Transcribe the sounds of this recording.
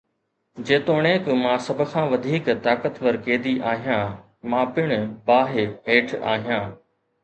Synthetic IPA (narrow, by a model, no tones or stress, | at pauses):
d͡ʑeːt̪oːɽ̃eːkmãːsɐbʱʊ̆kʰãːʋɐd̪ʱiːkt̪aːkət̪ʋɐɾkeːd̪iʔaːɦijãː | mãːpɪɽ̃ʊbaːɦeɦeːʈʰa̰ːɦijãː